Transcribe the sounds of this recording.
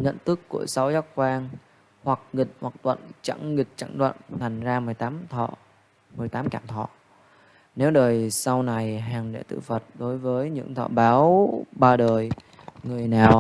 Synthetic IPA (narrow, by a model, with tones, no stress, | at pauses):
ɲə̰˧˨nt̪ɨ˦˥kːu˧˩əsa˨˦wzaː˦˥k̚kwaː˧ŋ | hwa˨˩k̚ŋï˨˩k̟̚hwa˨˩k̚ɗwə̰˧˨nt͡ɕa̰˧˥ŋŋi˨˩k̟̚t͡ɕa̰˧˥ŋɗə̰˧˨nt̪ʰa˨˩jŋ̟zaː˧m˨˩əjt̪aː˨˦mʰɔ̰˧˨ | mɨ˨˩əjt̪aː˨˦mkaː˧˩mt̪ʰɔ̰˧˨ | ne˨˦wɗəː˨˩jsa˧wna˨˩jɦaː˨˩ŋɗḛ˧˥t̪ɨ̰˧˨fə˨˩t̚ɗo˨˦jvəː˨˦jɲɨ̰˧˥ŋt̪ʰɔ̰˧˨ɓaː˨˦wɓaː˧ɗəː˨˩j | ŋɨ˨˩əjnaː˨˩w